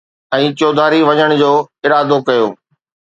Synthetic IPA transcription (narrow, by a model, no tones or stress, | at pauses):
ɛ̃ːt͡ɕoːd̪ʱaːɾiʋɐɲəɽ̃ʊ̆d͡ʑoːɪɾaːd̪okɐjo̰ː